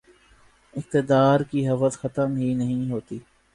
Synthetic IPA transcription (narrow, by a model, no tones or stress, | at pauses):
ɪk̚t̪ɪd̪aːɾkiːɦəʋəzxət̪əmɦiːnəɦĩɦoːt̪iː